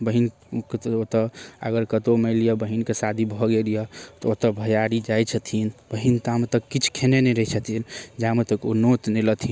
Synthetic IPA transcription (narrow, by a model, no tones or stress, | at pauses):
bəɦin | kot̪əə̰ɡəɾkət̪omelijɔbəɦinkesad̪ʱibʱɔɡelijɔt̪ɔot̪əbʱəjaɾid͡ʒajt͡ʃʰət̪ʰinbəɦint̪amet̪əkːit͡ʃʰkʰenenɛɾəit͡ʃʰət̪ʰind͡ʒamet̪əkonot̪nelət̪ʰi